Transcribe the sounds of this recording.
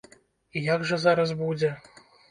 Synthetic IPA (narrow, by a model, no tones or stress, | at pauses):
ijaɡʐɐzaɾɐsbud͡zʲɛ